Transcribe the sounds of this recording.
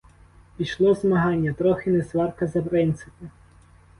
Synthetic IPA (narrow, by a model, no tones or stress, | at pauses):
pʲijʃlˠɔzmɐɦɑnʲːɐt̪ɾɔxɪnɛsʋɑrkɐzɐpɾɪnt̪sɪpʊ